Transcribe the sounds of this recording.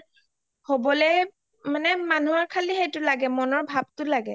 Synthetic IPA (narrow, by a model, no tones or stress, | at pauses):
hobɔlɛ | manɛmanuaɹkʰalixejtʊlaɡɛmɔnɔɹbʱab̚tʊlaɡɛ